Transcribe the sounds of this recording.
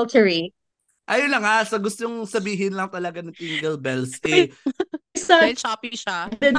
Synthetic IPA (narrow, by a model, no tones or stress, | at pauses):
ltʰəɹi | ʔajolɐŋhasɐɡʊst̪oŋsɐbiːɦɪnlɐŋt̪ɐlɐɡanɐŋt̪iŋɡɐlbɛlsʔɛ | sɐt͡ʃaːpiʃaɛ